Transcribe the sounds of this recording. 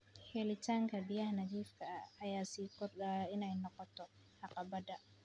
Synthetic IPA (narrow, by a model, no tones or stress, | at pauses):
hɛlɪt̪aŋkabijahnad͡ʒiːfkaːjaːsiːkɔɪnajnɔqɔt̪ɔ | haqabad̪a